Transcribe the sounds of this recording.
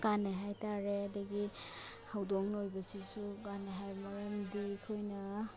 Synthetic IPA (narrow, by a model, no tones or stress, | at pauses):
kaneɦajtaɾedɐɡi | hawdoŋnojbɐsisukaneɦajmɐɾamdikʰojnɐ